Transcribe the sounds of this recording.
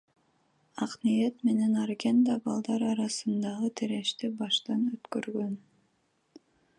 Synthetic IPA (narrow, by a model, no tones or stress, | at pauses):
ɑqnijet̪me̞ne̞nɑɾɡʲend̪ɑbɑlˠd̪ɑɾɑɾɑsɯnd̪ɑʁɯt̪ʰeɾe̞ʃt̪ebɑʃt̪ɑnøt̪køɾɡøn